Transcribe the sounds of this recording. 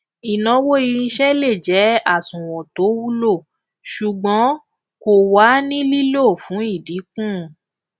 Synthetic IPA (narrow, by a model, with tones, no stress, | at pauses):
i˨nɔ̃˧˦wo˦i˧ɾ̃ĩ˧ʃɛ˦le˦˨d͡ʒɛ˨˦a˦˨sũ˨wɔ̃˨to˨˦wu˦lo˦˨ | ʃu˨ɡ͡bɔ̃˨˦ | ko˨wa˨˦nĩ˦li˦lo˦˨fũ˨˦i˦˨di˨˦kũ˦˨